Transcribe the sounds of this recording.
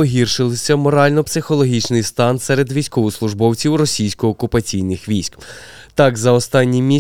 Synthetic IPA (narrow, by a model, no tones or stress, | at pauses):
ɔɦʲirʃɪlˠɪsʲɐmɔɾɑlʲnɔpsɪxɔlˠɔɦʲit͡ʃnɪjst̪ɑnsɛɾed̪ʋʲijsʲkɔʋʊslˠʊʒbɔwt͡sʲiwrɔsʲijsʲkɔːkʊpɐt͡sʲijnɪxʋʲijsʲk | t̪ɑkzɐɔst̪ɑnʲːimʲi